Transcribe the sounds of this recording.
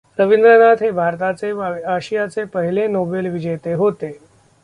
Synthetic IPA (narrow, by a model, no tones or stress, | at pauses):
ɾəʋind̪ɾənat̪ɦebʱaɾt̪at͡seaɕijat͡sepəɦilenoːbelʋid͡ʑəjt̪eɦot̪e